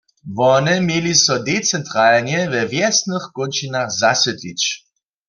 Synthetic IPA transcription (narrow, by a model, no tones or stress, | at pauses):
vɔnɛmjelisɔdet͡sɛntʁaːlnɛvɛvjɛsnəχkɔnt͡ʃinaχzasɛtlit͡ʃ